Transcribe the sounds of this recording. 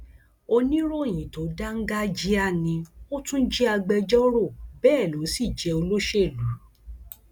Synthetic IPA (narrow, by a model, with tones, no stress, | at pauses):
o˧nĩ˦ɾo˦˨j̃ĩ˨to˨˦da˦ŋ̩˦ɡa˦d͡ʒi˨˦a˦˨nĩ˧o˦tũ˦n̩˦d͡ʒɛ˦a˧ɡ͡bɛ˧d͡ʒɔ˦ɾo˦˨bɛː˦˨lo˨˦si˦˨d͡ʒɛ˧o˧lo˦ʃe˦˨lu˨˦